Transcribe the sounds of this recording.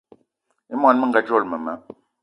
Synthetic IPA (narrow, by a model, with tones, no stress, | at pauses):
i˦mwa˨nmə˦ŋɡa˨d͡ʒo˦˨lmə˨mə˨˦